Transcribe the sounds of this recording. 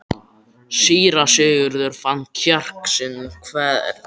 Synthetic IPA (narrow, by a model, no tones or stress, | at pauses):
siːɾasʏːɣʏɾðʏɾ̥fant̪çœr̥ksɪnːʏmkʰvɛːðɛ̰ɾ̥